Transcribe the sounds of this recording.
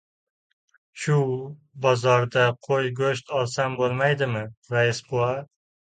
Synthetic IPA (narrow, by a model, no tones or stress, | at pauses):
ʃʊ | bɒzɒɾd̪aqʰojɡoʃt̪ʰɒlˠsambolˠmajd̪ɪmɪɾaɪsbʊa